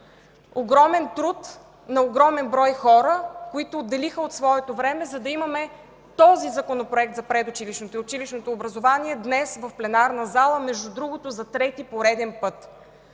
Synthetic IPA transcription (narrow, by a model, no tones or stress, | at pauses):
oɡɾɔmɛnt̪ɾut̪ | nɐoɡɾɔmɛnbɾɔjxɔɾəkoit̪ʊːd̪ːɛlixəot̪svɔɛt̪ovɾɛmɛzɐd̪ɐimɐmɛ | t̪ɔzizɐkonopɾoɛk̚t̪zɐpɾɛd̪ʊt͡ʃiliʃnot̪t͡ʃiliʃnot̪oːbɾɐzovaniɛd̪nɛsvɐfplɛnaɾnɐzalˠəmɛʒd̪ud̪ɾuɡot̪ʊzɐt̪ɾɛt̪ipoɾɛd̪ɛnpɤt̪